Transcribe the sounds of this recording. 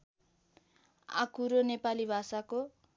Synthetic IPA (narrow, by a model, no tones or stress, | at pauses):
a̰kʰuɾonepalibʱasako